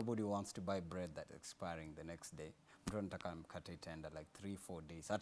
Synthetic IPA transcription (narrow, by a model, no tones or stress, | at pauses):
bɔɾiwɔ̃ntstubaɪbɹɛd̪̚ðɨtɛ̰kspaɪɹɪ̃ŋðɨnɛksd̥eɪ̃ | mtʰɹãntakamkʰatetʰɛ̃ndəlaɪk̚θɹifɔɹdeɪzat